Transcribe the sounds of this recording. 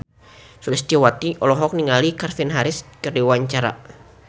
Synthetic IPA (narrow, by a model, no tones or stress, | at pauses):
sulist̪iwat̪iʔɔlɔɦɔk̚niŋalikarfinɦaɾɪskɨrdiwaɲt͡ʃaɾa̰